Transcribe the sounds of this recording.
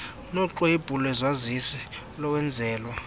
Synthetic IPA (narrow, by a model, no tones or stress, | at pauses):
nɔǁɔib̥ʱulɔɛzwazisɛ | lɔwɛnd͡zʱɛːlwa